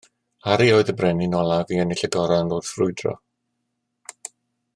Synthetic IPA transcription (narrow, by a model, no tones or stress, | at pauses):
haɾioːɨðəbrɛninɔlˠaviənɪɬəɡɔɾanoːd̥frʊɨdrɔ̰